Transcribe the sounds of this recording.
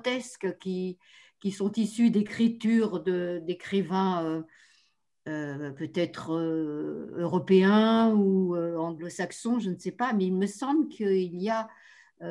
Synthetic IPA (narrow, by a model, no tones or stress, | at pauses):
t̪ɛskkʲi | kʲisɔ̃t̪isyd̪ekχit̪yʁd̪əd̪ekχivɛ̃ø | øpøt̪ɛt̪χø | øʁɔpeɛ̃uøɑ̃ɡlosaksɔ̃ʒənsɛpamɛilməsɑ̃blkʰəilija | ø